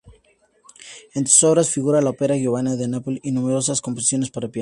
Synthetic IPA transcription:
ent̪u̥soβɾasfiɣuɾalaopeɾaɣjoβanaðe̞napolinume̞ɾo̞saskompos̬isjo̞ne̞spaɾapja

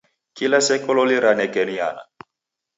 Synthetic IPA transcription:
kilɛsɛkɔlɔliɾanɛkɛnia̰na̰

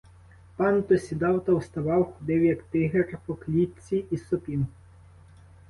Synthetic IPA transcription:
pant̪ɔsʲid̪awt̪ɐwst̪ɐʋɑwxʊd̪ewjɐkt̪ɪɦɛrpɔklʲit͡sʲːiʔisɔpʲiw

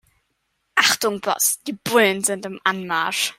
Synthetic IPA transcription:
aχdʊŋbrɔ̰sd̥ib̥wɪndəndəmanmar̥

